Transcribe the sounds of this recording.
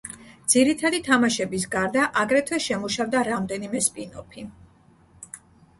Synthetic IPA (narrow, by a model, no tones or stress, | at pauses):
d̪z̥iɾit̪ʰad̪it̪ʰamaʃɛbis̬ɡaɾd̪aʔaɡɾɛt̪ʰwɛʃɛmuʃavd̪aɾamd̪ɛnimɛspʼinɔ̰pʰi